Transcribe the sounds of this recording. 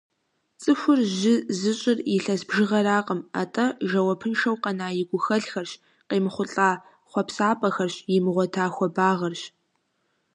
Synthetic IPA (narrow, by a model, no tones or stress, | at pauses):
t͡sʼɨxʷʊrʒɪzɨɕʼɪrɪɬɐsbʒɪʁɐɾaːqʼəma̰tʼɐʒɐwɐpʰɨnʂɐwqɐnaːjɪɡʷʊxɐɮxɐrɕ | qeːmɨχʷʊɬʼaː | χʷɔpsaːpʼɐxɐrɕjɪmɨʁʷɔtʰaːxʷɔbaːʁɐrɕ